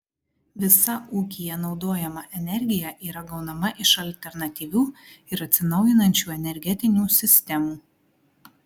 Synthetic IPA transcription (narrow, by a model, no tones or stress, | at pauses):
ʋʲɪsɐuːkʲijɛnɒʊd̪oːjɛmɐʔɛnʲɛɾʲɡʲɪjɛʔiːɾɐɡɒʊnɐmɐʔɪʃɐlʲt̪ʲɛɾnɐt̪ʲiːʋʲuːɪɾɐt̪ʲsʲɪnɒʊjɪnɐnʲt͡ʃʲuːɛnʲɛɾʲɡʲɛt̪ʲɪnʲuːsʲɪsʲt̪ʲɛmuː